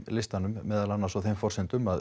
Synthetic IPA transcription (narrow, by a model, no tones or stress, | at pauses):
lɪst̪anʏmːɛːðalanːaɾsɔθejmfɔr̥sɪnt̪ʏmað